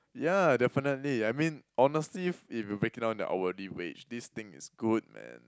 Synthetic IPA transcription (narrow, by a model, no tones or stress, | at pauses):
jadɛfənət̚liajmĩnɔnəstlififjubɹekɪ̃nãn̚də̰ʔa̰wəɹiwḛt͡ʃdist̪ɪ̃ŋɪ̰sɡ̥ud̚mɛ̰̃n